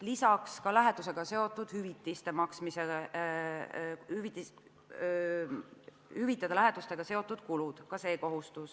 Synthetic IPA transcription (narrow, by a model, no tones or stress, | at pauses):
lisɑkskɑlæɦe̞d̪us̬e̞ɡ̥ɑse̞o̞t̪ːˑud̪̥hyvit̪ːˑist̪e̞mɑksmise | hyvit̪i | hyvit̪ːˑɑd̪̥ɑlæɦed̪̥ust̪e̞ɡ̥ɑse̞o̞t̪ːˑud̪̥kulud̪̥kɑse̞ːko̞ɦust̪us